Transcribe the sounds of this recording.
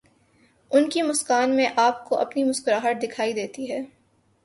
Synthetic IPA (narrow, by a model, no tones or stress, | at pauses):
ʊnkimʊskaːnmẽʔaːp̚koʔɐ̰pnimʊskʊɾaːɦəʈ̪̚d̪ɪkʰaːid̪eːt̪iɦɛː